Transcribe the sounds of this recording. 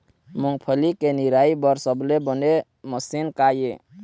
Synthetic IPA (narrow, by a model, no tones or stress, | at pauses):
muŋɡ̚pʰəlikeniɾaibəɾsəblebəne | məsinkaje